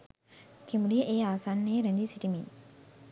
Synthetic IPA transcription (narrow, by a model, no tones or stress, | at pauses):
kʰimulijəʔeːaʋɐsanːejəɾeɲd͡ʒisiʈimin